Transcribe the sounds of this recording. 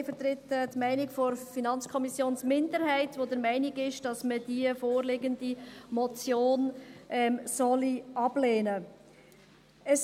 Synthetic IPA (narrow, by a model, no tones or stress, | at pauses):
fəɾt̪ɾɪtːtmæɪnɪkfɔɾfinɑnt͡skʰɔmisjoːnsmɪndəɾhæɪtʋodəɾmɛɪnɪɡɪʃd̥ɑsməd̥iəfoːɾlɪːɡəndimɔt͡sjoːnʔɛmsɔliʔɑb̥leːnə | əs